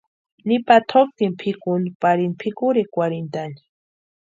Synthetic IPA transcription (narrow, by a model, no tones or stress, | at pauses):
nipat̪ʰok̚t̪impʰikunipaɾinpʰikuɾikwaɾint̪ani̥